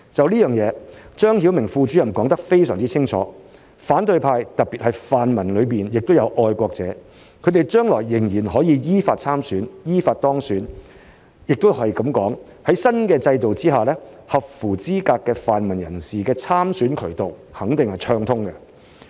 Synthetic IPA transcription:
t͡sɐ˨wliː˥jœː˨˩ŋjɛː˨˧t͡ʃœː˥ŋhiː˨˥wmɪ˨˩ŋfuː˧t͡ʃyː˨˥jɐ˨˩mkɔː˨˥ŋt̪ɐ˥k̚fe˥jsœː˨˩ŋt͡siː˥t͡sʰɪ˥ŋt͡ʃʰɔ̰ː˨˥ | faː˨˥nt̪ɵ˧ɥpʰaː˧jt̪ɐ˨k̚pi˨t̚hɐ˨jfaː˨nmɐ˨˩nlɵ˨˧ɥpiː˨njɪ˨k̚t̪wjɐ˨˧wʔɔː˧jkʷɔː˧k̚t͡sɛː˨˥ | kʰɵ˨˧ɥt̪e˨jt͡ʃœː˥ŋlɔː˨˩jːɪ˨˩ŋjiː˨˩nɦɔː˨˥jiː˨˧jiː˥faː˧t̚t͡sʰaː˥msyː˨˥njiː˥faː˧t̚t̪ɔː˥ŋsyː˨˥n | jɪ˨k̚t̪whɐ˨˩jkɐ˨˧˥mkɔː˨˥ŋ | hɐ˨˥jsɐ˥nkɛː˧t͡sɐ˧jt̪o˨wt͡siː˥ɦaː˨˩lɛː˥ | hɐ˨p̚fuː˨˩t͡siː˥kaː˧kːɛː˧faː˨nmɐ˨˩njɐ̰˨˩nsiː˨kɛː˧t͡sʰaː˥msyː˨˥nkʰɵ˨˩ɥt̪o˨˩whɐ˨˥ŋt̪ɪ˨ŋhɐ˨jt͡ʃʰœː˧ŋt̪ʰʊ˥ŋkɛ˧

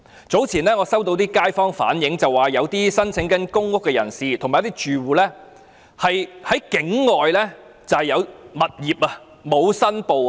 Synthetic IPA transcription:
t͡so˨˥wt͡sʰiː˨˩nɛː˥ŋɔː˨˧sɐ˥wt̪o˧wt̪iː˥kaː˥jfɔː˥ŋfa̰ː˨˥njɪ˨˥ŋt͡sɐ˨wːaː˨˩jɐ˨˧wt̪iː˥sɐ˥nt͡sʰɪ˨˥ŋkɐ˨˥nkʊ˥ŋːʊ˥kːɛ˧jɐ̰˨˩nsiː˨t̪ʰmaː˨jɐ˥t̪i˥t͡ʃyː˨wuː˨lɛː˥ | hɐ˨jhɐ˨˥jkɪ˨˥ŋŋɔː˨jlɛː˥ | t͡sɐ˨˧whjɐ˨˧wmɐ˨t̚jiː˨p̚ɐ˧ | mo˨˧wsɐ˥npo˨w

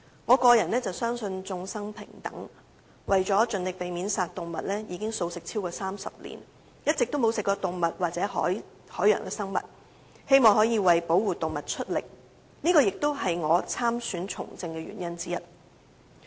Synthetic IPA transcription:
ŋɔː˨˧kɔː˧jɐ˨˩nɛː˥t͡sɐ˨wsœː˥ŋsɵ˧nt͡sʊ˧ŋsɐ˥ŋpʰɪ̰˨˩ŋt̪ɐ̰˨˥ŋ | wɐ˨jt͡ʃɔː˨˥t͡ʃɵ˨nlɪ˨k̚pe˨jmiː˨˥nsaː˨t̚t̪ʊ˨˩ŋmɐ̰˨t̚lɛː˥jiː˨˧kɪ˥ŋso˧wsɪ˨k̚t͡sʰiː˥wkɔː˧saː˥msɐ̰˨p̚lḭː˨˩n | jɐ˥t̚t͡sɪ˨k̚t̪o˥wmo˨˧wsɪ˨kːɔː˧t̪ʊ˨ŋmɐ˨t̚waː˨t͡sɛː˨˥hɔ̰ː˨˥j | hɔː˨˥jœ̰ː˨˩ŋkɛ˧sɐ˥ŋmɐ̰˨˩t̚ | he˥jmɔː˨ŋhɔː˨˥jiː˨˧wɐ˨jpo˨˥wuː˨t̪ʊ˨ŋmɐ˨˩t̚t͡ʃʰɵ˥t̚lɪ̰˨˩k̚ | niː˥kɔː˧jɪ˨k̚t̪o˥wɦɐ˨jŋɔː˨˧t͡sʰaː˥msyː˨˥nt͡sʰʊ̰˨˩ŋt͡sɪ˧ŋkɛː˧ɥy̰˨˩njɐ˥nt͡siː˥jɐ˥t̚

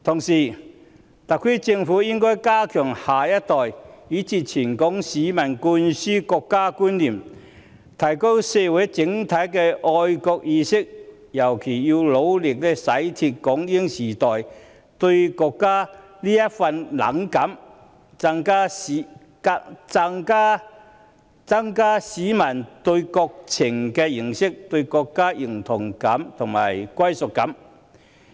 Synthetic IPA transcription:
t̪ʰʊ˨˩ŋsiː˨˩ | t̪ɐ˨kʰːi˥t͡sɪ˧ŋfuː˨˥jɪ˥ŋkɔː˥jkaː˥kʰœː˨˩ŋhaː˨jɐ˥t̚t̪ɔː˨jjiː˨˥t͡sʰiː˧t͡sʰiː˨˩nkɔː˨˥ŋsiː˨˥mɐ˨˩nkuː˧nsyː˥kɔː˧kːaː˥kuː˥nliː˨˩m | t̪ʰɐ˨˩jko˥wse˧wɐ˨˥jt͡sɪ˨˥ŋt̪ʰɐ˨˥jkɛː˧ʔɔː˧jkɔː˧k̚jiː˧sɪ˥k̚ | jɐ˨˩wkʰe˨˩jji˧wlo˨˥wlɪ˨k̚lɛ˧sɐ˨˥jt̪ʰi˧t̚kɔː˨˥ŋliː˦˥ŋsiː˨˩t̪ɔː˨j | t̪ɵ˧ɥkɔː˧kːaː˥ | liː˥jɐ˥t̚fɐ˧nlɐ̰˨˥ŋkɐ˨˥m | t͡sa˧ŋkaː˥˨ | a˥t͡sa˧ŋkaː˥ | t͡sɐ˥ŋkaː˥siː˨˥mɐ˨˩nt̪ɵ˧ɥkɔː˧k̚t͡sʰɪ˨˩ŋkɛː˧jɪ˨˩ŋsɪ˥k̚t̪ɵ˧ɥkɔː˧kːaː˥jɪ˨˩ŋt̪ʰʊ˨˩ŋkɐ˨˥mt̪ʰʊ˨˩ŋmaː˨˩jkʷɐ˥jsʊ˨k̚kːɐ˨˥m

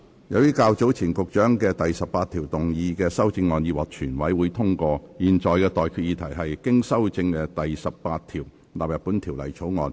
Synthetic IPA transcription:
jɐ˨˧wjiː˥kaː˧wt͡so˨˥wt͡sʰiː˨˩nkʊ˨k̚t͡ʃœː˨˥ŋkɛː˧t̪ɐ˨jsɐ˨p̚paː˧t̪ʰiː˨˩wt̪ʊ˨ŋjiː˧kɛː˧sɐ˥wt͡sɪ˧ŋːɔː˨˧njiː˧wɐ˨k̚t͡ʃʰyː˨˩nwɐ˨˥jwuː˨˧˥jt̪ʰʊ˥ŋkɔː˧jiː˨nt͡ʃɔː˨˩jkɛː˧t̪ɔː˨jkʰyː˨˧t̚jiː˧t̪ʰɐ˨˩jɦɐ˨jkɪ˥ŋsɐ˥wt͡sɪ˧ŋkɛ˧t̪ɐ˨jsɐ˨p̚paː˧t̪̚ʰiː˨˩w | laː˨p̚jɐ˨˩pːu˨˥nt̪ʰiː˨˩wlɐ̰˨˩jt͡ʃʰo˨˥wŋɔː˨˧n

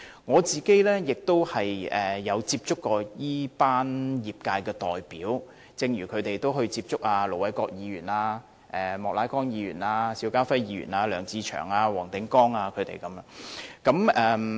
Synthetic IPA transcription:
ŋɔː˨˧t͡siː˨ke˥jlɛː˥jɪ˨k̚t̪o˥whɐ˨jɛː˨jɐ˨˧wt͡siː˧p̚t͡sʊ˥kːɔː˧jiː˥paː˥njiː˨p̚kaː˧jkɛː˧t̪ɔ̰ː˨˩jpiː˨˥w | t͡sɪ˧ŋjyː˨˩kʰɵ˨˧ɥt̪e˨jt̪o˥whɵ˧ɥt͡siː˧p̚t͡sʊ˥k̚aː˧lo˨˩wɐ˨˥jkɔː˧k̚jiː˨˧jyː˨˩naː˧ | ʔɛː˨mɔː˨k̚laː˨˥jkɔː˥ŋjiː˨˧jy̰ː˨˩naː˧siː˧wkaː˥fɐ˥jjiː˧˥ɥy̰ː˨˩naː˧lœː˨˩ŋt͡siː˧t͡ʃʰœ̰ː˨˩ŋaː˧wɔː˨˩ŋt̪ɪ˨˥ŋkɔː˥ŋaː˧kʰɵ˨˧ɥt̪ḛ˨jkɐ˨˧˥m˧˥kɐ˨˥mʔɛː˨˧

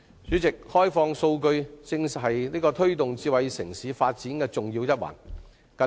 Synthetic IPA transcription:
t͡syː˨˥t͡sɪ˨k̚hɔː˥jfɔː˧ŋso˧wkɵ˧ɥt͡sɪ˧ŋhɐ˨jniː˥kɔː˧t̪ʰɵ˥ɥt̪ʊ˨ŋt͡siː˧wɐ˨˧jsɪ˨˩ŋsiː˨˥faː˧t̚t͡siː˨˥nkɛː˧t͡sʊ˨ŋjiː˧wjɐ˥t̚wɐ̰ː˨˩n | kɐ˨˧˥

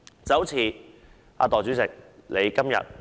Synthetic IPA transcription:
t͡sɐ˨˥wt͡sʰiː˨˧ | ʔa̰ː˧t̪ɔː˨˩t͡sy˨˥t͡sɪ˨k̚le˨˧jkɐ˥mjɐ̰˨t̚

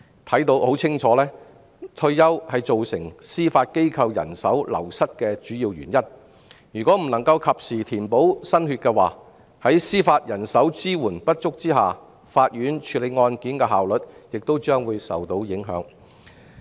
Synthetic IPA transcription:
t̪ʰɐ˨˥jt̪o˨˧˥who˨˥wt͡sʰɪ˥ŋt͡ʃʰɔː˨˧˥lɛː˥ | t̪ʰɵ˧ɥjɐ˥whɐ˨jt͡so˨wsɪ˨˩ŋsiː˥faː˧t̚ke˥jkʰɐ˧wjɐ̰˨˩nsɐ˨˥wlɐ̰˨˩wsɐ˥t̚kɛː˧t͡ʃyː˨˥jiː˧wjy̰˨˩njɐ˥n | jyː˨˩kʷɔː˨˥m̩˨˩nɐ˨˩ŋkɐ˧wkʰɐ˨p̚siː˨˩t̪ʰiː˨˩npo˨˥wsɐ˥nhyː˧t̚kɛ˧wa̰ː˨ | hɐ˨˥jsiː˥faː˧t̚jɐ˨˩nsɐ˨˥wt͡siː˥wuː˨˩npɐ˥t̚t͡ʃʊ˥k̚t͡siː˥ɦaː˨˩ | faː˧t̚jyː˨˥nt͡ʃʰyː˨˧˥le˨˧jŋɔː˧nkiː˨˥nkɛː˧ɦaː˨wlɵ˨t̚jɪ˨k̚t̪o˥wt͡ʃœː˥ŋwuː˨˧jsɐ̰˨wt̪o˨˧˥wjɪ˨˥ŋɦœ̰ː˨˥ŋ

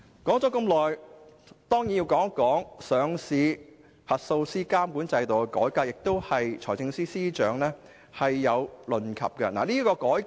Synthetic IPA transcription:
kɔː˨˥ŋt͡sɔː˨˥kɐ˧mlɔː˨˩j | t̪ɔː˥ŋjiː˨˥nji˧wkɔː˨˥ŋkɔː˨˥ŋsœː˨˧ŋsiː˨˧ | hɐ˨t̚so˧wsiː˥kaː˥mkuː˨˥nt͡sɐ˧jt̪o˨wkɛ˧kɔ̰ː˨˥jkaː˧k̚jɪ˨k̚t̪o˥whɐ˨jt͡ʃʰɔː˨˩t͡sɪ˧ŋsiː˥siː˥t͡ʃœː˨˧˥ŋlɛː˥ | hɐ˨jːɐ˨˧wlɵ˨nkʰɐ̰˨p̚kɐ˧na̰ː˨˩niː˥kɔː˧kɔː˨˥j

